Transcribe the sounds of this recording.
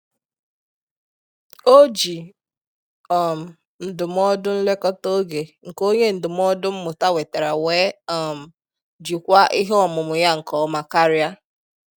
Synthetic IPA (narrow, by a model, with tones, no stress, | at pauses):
o˦d͡ʒi˨ | ɔ˨m̩˨ | n̩˨dʊ˨m˦ɔ˦dʊ˦n̩˦le˦kɔ˦to˦ɡe˨ŋ̩˨ko˦ɲe˦n̩˨dʊ˨m˦ɔ˦dʊ˦m̩˦mʊ˨ta˦we˨te˨ɾa˨weː˦ɔ˨m̩˨ | d͡ʒi˨kʷa˦ʔi˦ɦe˦ɔ˨mʊ˨mʊ˨ja˦ŋ̩˨kɔ˨˦ma˨ka˦ɾja˦